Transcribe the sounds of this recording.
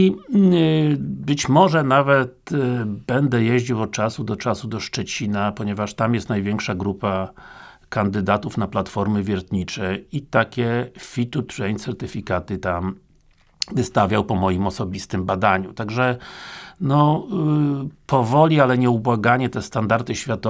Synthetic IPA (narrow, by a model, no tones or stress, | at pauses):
i | bɘt͡ɕmɔʐɛnavɛt̪bɛnd̪ɛjeʑd͡ʑiwɔt̪̚t͡ʂasud̪ɔt͡ʂasud̪ɔʂt͡ʂɛt͡ɕinapɔɲɛvaʂt̪amjɛst̪najvʲjɛŋkʂaɡɾupa | kand̪ɘd̪at̪ufnaplat̪fɔɾmɘvʲjɛɾt̪ɲit͡ʂɛit̪akʲɛfʲit̪ut̪ɾɛjnt̪sɛɾt̪ɘfʲikat̪ɘt̪am | vɘst̪avʲjawpɔmɔjimɔsɔbʲist̪ɘmbad̪aɲut̪aɡʐɛ | nɔ | pʰɔvɔlʲialɛɲɛubwaɡaɲɛt̪ɛst̪and̪aɾt̪ɘɕfʲjat̪ɔ